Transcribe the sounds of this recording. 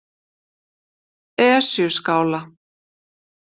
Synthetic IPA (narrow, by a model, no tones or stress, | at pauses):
ɛasjʏskaːwla